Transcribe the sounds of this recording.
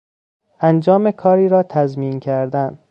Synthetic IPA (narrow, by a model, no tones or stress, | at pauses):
ænd͡ʒɒːme̞kʰɒːɾiːɾɒːt̪ʰæzmiːncʰæɾd̪æn